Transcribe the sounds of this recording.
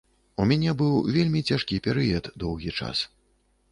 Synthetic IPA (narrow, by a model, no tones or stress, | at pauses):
umʲanʲɛbɨwvʲelʲmʲit͡sʲaʂkʲipʲɛɾɨjɐt̪d̪ɔwɣʲit͡ʂa̰s